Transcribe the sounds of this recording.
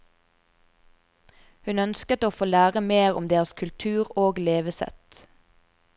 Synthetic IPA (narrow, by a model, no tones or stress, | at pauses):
hʉnœnskət̪oːfoːlæːʁəmeːʁʊ̰md̪eːʁəskʰʉlt̪ʰʉːʁoːɡleːʋəsɛ̰t̪